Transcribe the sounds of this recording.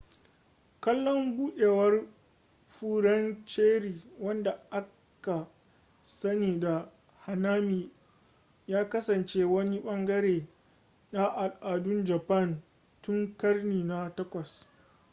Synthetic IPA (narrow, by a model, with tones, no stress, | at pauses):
kɐ˦lːɔ˦mbuː˦ɗeː˨wɐ˦r | ɸuː˦ɽɐ˦nt͡ʃeː˦ɽiː˨wɐ˦nda˨ʔa˦ | ka˨ | sɐ˦niː˨da˨ | ha˨naː˦miː˨ | jaː˦kɐ˦sɐ˨nt͡ʃeː˦wɐ˦ni˦ɓɐ˦ŋɡɐ˦ɾeː˨ | na˦ʔa˨ʔaː˨dʊ˦nd͡ʒɐ˨pɐ˦˨n | tʊ˦ŋkɐ˦rniː˨na˦tɐ˦kʷɐ˨s